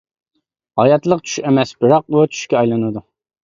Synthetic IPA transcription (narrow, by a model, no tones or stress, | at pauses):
hɑjɑt̪lˠəqt͡ʃʰy̥ʃemɛsbɨɾɑq̚ut͡ʃʰy̥ʃkʲɛɑjlˠɨnɨd̪u